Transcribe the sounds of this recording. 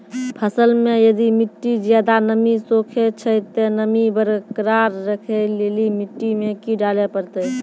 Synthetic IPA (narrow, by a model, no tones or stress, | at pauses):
pʰəsəlmẽjəd̪imɪʈːid͡ʒjaːd̪anəmisoːkʰet͡ʃʰət̪ɔnəmibəɾkəɾaɾːəkʰeleːlimɪʈːimekiɖaːlepəɾt̪ə